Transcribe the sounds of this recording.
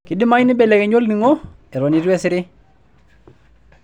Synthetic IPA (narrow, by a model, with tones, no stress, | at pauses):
ki˨di˦ma˦ɲ˦ni˦bɛ˨lɛ˨kɛ˨ɲo˦lni˨ŋɔ˦ | ɛ˨ɾo˨ni˨ɾi˦ɛ˦sɪ˦ɾɪ˦